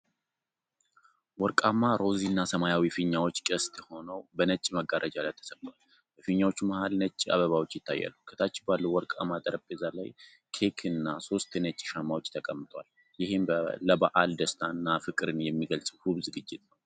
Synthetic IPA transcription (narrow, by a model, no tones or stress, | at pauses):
wɔɾkʼamːaɾo̞zinːasəmajawifɨɲːawo̞t͡ʃːkʼəst̪ʰʼho̞nəwbənət͡ʃʼːiməɡaɾʔəd͡ʒalajt̪ʰːə̥səbwal | bəfɨɲːawo̞t͡ʃːuməhalnət͡ʃʼːia̰βəβawo̞t͡ʃːjɪt̪ːajːa̰lːukʰət̪ʰat͡ʃːɛbalːəwɔɾkʼamːat̪ʼəɾəpʼːezala̰j | kʰekʰɨnːaso̞st̪ɨnət͡ʃʼːi̥ʃamːawo̞t͡ʃːt̪ʰəkʼəmːɨt̪ʼwa̰l | jɪhemləbaʔald̪əst̪ʰanːafɨkʼɨɾɨnjɛmːiɡəlsʼhuβzɨɡɨd͡ʒːɪt̪̚ʼnəw